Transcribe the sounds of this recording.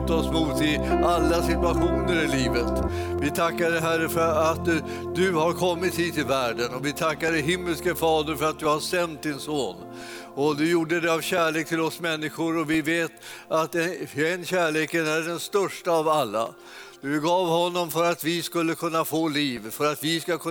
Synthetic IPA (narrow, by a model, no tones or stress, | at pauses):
t̪ɔsmut̪ɪʔalːasɪt̪ɵaɧuːnəɾɪliːvət̪vɪt̪ʰakːad̪əɦærəfœɾat̪ | d̪ɵhaɾkʰɔmːɪt̪hiːt̪ːɪlvæːɖənɔvɪt̪ʰakːad̪əɦɪmːəlskəfɑːd̪əɾfœɾat̪̚d̪ɵhasɛnt̪̚d̪ɪnsoːn | ɔd̪ɵjuːɖəd̪ɛavɕæːɭeːk̚t̪ʰɪlɔsmɛnːɪɧʊɾɔvɪveːt̪at̪ɛɛnːɕæːɭeːkənæɖɛnst̪œʂʈaːvalːa̰ | d̪̥ɵɡɑːvhɔnːɔmfœɾat̪vɪskɵlːəkʰɵnːafoːliːvfœɾat̪vɪskakʰɵ